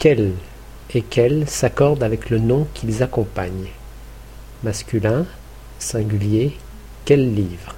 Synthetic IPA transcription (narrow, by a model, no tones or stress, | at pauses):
kʲɛl | ekʲʰɛlsakɔʁd̪avɛklənɔ̃kʲʰilzakɔ̃paɲ | maskʲylɛ̃ | sɛ̃ɡʲylje | kʲɛlːivʁ